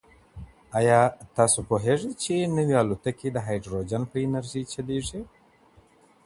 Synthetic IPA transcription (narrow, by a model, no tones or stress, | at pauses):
ajɑt̪ɑsopoɦeʐet͡ʃenəwialut̪akid̪əɦajɖɾod͡ʒanpəɪnaɾʒit͡ʃaleʐi